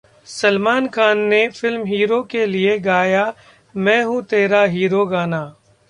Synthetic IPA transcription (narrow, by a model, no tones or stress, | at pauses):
sɐlmaːnkʰaːnːefɪlmɦiːɾokelieɡaːja | mɛ̃ːɦũt̪eːɾaɦiːɾoɡaːnaː